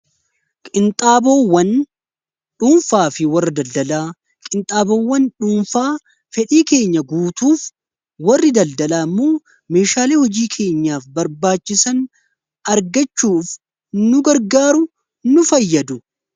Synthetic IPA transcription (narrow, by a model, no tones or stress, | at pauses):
kʼɪnt̪ʼaːboːwːɐn | ᶑuːnfaːfɪwɐrːɐd̪ɐld̪ɐlaː | kʼɪnt̪ʼaːboːwːɐnᶑuːnfaː | fɛᶑiːke̞ːɲːɐɡuːt̪uːf | wɐrːɪd̪ɐld̪ɐlaːmːo̞ː | me̞ːʃaːle̞ːhɔd͡ʒiːkʰe̞ːɲːaːfbɐɾbaːt͡ʃːɪsɐn | ɐɾɡɐt͡ʃːuːf | nʊɡɐɾɡaːɾʊ | nʊfɐjːɐd̪ʊ